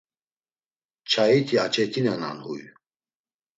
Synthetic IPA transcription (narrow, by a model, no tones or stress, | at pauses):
t͡ʃʰait̪ʰiat͡ʃʰɛt̪ʰinana̰nhṵj